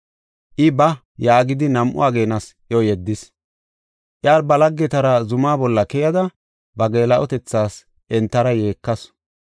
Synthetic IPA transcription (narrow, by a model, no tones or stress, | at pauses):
ʔɪbɐ | jaːɡɪd̪ɪnɐmʔʊ̰aːɡe̞ːnɐs | ɔjɛd̪ːɪs | ʔjaːɾbɐlɐɡːɛt̪ɐɾɐzʊmaːbɔlːɐkɛjɐd̪ɐ | bɐɡe̞ːlɐʔɔt̪ɛt͡sːaːs | ʔɛnt̪ːɐɾɐje̞ːkːɐs